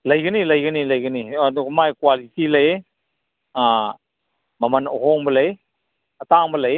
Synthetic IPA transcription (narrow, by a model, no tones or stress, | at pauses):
lɐjɡɯnilɐjɡɯnilɐjɡɯnidkmajkwalitilɐj | a | mɐmɐno̰ɦɔŋbɐlɐj | ɐtaŋbəlɐj